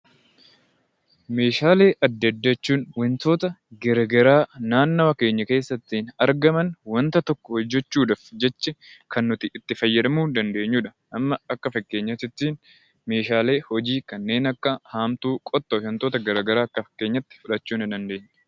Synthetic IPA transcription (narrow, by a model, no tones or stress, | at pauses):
me̞ːʃaːle̞ːʔɐd̪ːɐd̪ːɐt͡ʃːuːnwɐnt̪o̞ːt̪ɐɡɛɾɐɡɐɾaːnaːnːɐwɐke̞ːɲːɐke̞ːsːɐt̪ːiːnɐɾɡɐmɐnwɐnt̪ɐt̪ɔkːɔhɔd͡ʒːɛt͡ʃːuːᶑɐfd͡ʒɛt͡ʃːɛkʰɐnːʊt̪ɪːt̪ːɪfɐjːɐᶑ̪ɐmuːnd̪ɐnd̪e̞ːɲːuːᶑɐ̥ | ʔɐmːɐɐkːɐfɐkːe̞ːɲːɐt̪ɪt̪ːiːn | me̞ːʃaːle̞ːhɔd͡ʒiːkɐnːe̞ːnɐkːɐhaːmt̪uːkʼɔt̪ːɔʃɐnt̪o̞ːt̪ɐɡɐɾɐɡɐɾaːɐkːɐfɐ̥kːe̞ːɲːɐt̪ːɪ̥fʊᶑɐt͡ʃːuːnɪd̪ɐnd̪e̞ːɲː